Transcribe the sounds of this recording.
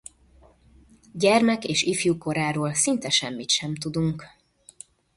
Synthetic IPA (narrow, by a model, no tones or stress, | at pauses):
ɟɛrmɛkeːʃifjuko̞ɾaːɾoːlsint̪ɛʃɛmːit̪ʃɛmt̪ud̪uŋk